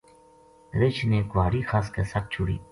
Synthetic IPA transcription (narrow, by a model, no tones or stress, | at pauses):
ɾɪt͡ʃʰneːkʊʋaːɽiːxʰaːskesək̚t͡ʃʰʊɽḭː